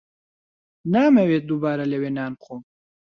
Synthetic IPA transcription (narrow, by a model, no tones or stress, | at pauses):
naːmɛweːt̪̚d̪ubaːɾɐlɛweːnaːnqʰom